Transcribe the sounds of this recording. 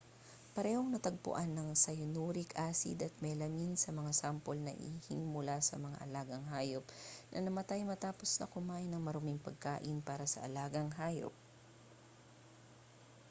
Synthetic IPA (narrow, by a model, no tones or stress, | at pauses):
pɐɾɛhoŋnɐt̪ɐɡ̚pʊ̰ʔanːɐŋsɐjʊnuːɾɪkʔaːsɪ̰d̪ɐt̪̚mɛjlɐminsɐmɐŋasampolnɐ̰ʔḭhiŋmʊlasɐmɐŋa̰ʔɐlaːɡɐŋɦaːjopnʔɐ̰nɐmɐt̪ajmɐt̪aːpo̞snɐ̰kʊmaːʔɪnɐŋmɐɾomɪŋpɐɡ̚ka̰ːʔɪnpaːɾɐsɐ̰ʔɐlaːɡɐŋɦaːjo̰p̚